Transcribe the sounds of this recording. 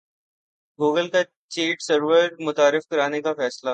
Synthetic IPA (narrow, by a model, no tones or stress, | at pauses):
ɡuːɡəlka | t͡ʃiːʈsəɾʋəɾmʊt̪aːɾɪfkɐɾaːnekafɛːsla